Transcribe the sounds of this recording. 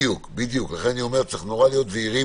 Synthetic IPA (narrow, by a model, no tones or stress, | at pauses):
jukbid̪juklaχenanio̞me̞ʁt͡seiχno̞ʁalijo̞t̪veiʁi